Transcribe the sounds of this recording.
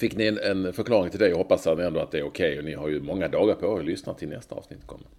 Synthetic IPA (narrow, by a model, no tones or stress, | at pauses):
fɪkːnɪɛnɛnfœɾkʰlɑːɾɪŋt̪ʰɪld̪ɛjaɦɔpːasaɛnd̪oat̪̚d̪ɛæɾʊkʰɛjɔnɪhaɾjɵmɔŋːad̪ɑːɡaɾpʰɔɔslʏsnat̪ʰːɪlnɛ̰st̪aɑ̰ːvsnɪt̪ːkʰɔ̰mːən